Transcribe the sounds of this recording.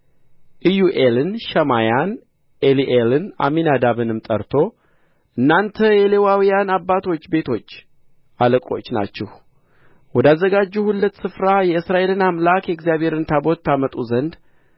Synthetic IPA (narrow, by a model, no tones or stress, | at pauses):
ʔɨjuʔelɨnʃɛmajan | eliʔelɨna̰minad̪aβɨnɨmt̪ʼəɾt̪ʰo̞ | ʔɨnːant̪ʰəjɛlewawijanabːat̪ʰo̞t͡ʃːbe̞t̪ʰo̞t͡ʃː | ʔaləkʼo̞̰t͡ʃːna̰t͡ʃːɛh | wɔd̪azːəɡad͡ʒːuhulːət̪ːsɨfɾajɛɨsɾaʔe̞lɨnamlakjɛɡzijaβe̞ɾɨnt̪ʰabo̞t̪ʰːamət̪ʼuzənd̪